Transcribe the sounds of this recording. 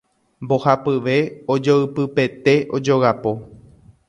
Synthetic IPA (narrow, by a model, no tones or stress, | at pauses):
mbo̞hapɨʋe̞od͡ʒoɨpɨpe̞t̪e̞o̞d͡ʒo̞ɣapo̞